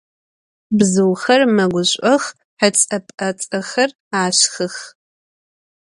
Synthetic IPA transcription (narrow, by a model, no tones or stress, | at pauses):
bzɨwxɐrmɐɡʷʊɕʷʼɔx | ħɐt͡sʼɐpʼɐt͡sʼɐxɐr | aːɕxɨx